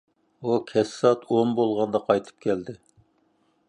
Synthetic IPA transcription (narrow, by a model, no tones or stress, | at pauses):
ukʲʰɛsːɑt̪ʰombolˠʁɑnd̪ɑqʰɑjt̪ʰɨ̥p̚kʲʰɛld̪ɪ